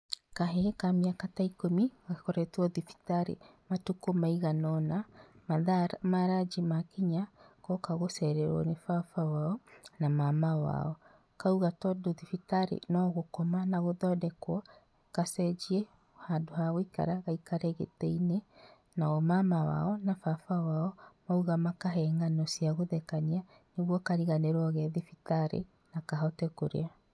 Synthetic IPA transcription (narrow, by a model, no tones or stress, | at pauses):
kaɦekamiakataikomiɣakɔɾɛtwɔðifi̥taɾḛmatukomaiɣanɔnamaðaɾmaɾad͡ʒimakeɲakɔkaɣosɛɾɛɾwɔ̰nefafawaɔnamamawa̰ɔ | kauɣatɔdoðifitaɾḛnɔɣokɔmanaɣoðɔdɛkwɔ | kasɛd͡ʒiɛ | hadohaɣoika̰ɾaɣaikaɾɛɣḛtɛine | naɔmamawa̰ɔnafafawaɔmauɣamakaɦɛŋɡanɔsiaɣoðɛkaɲia | neɣwɔkaɾiɣaneɾɔɣɛðifitaɾḛ | nakaɦɔtɛkoɾḛa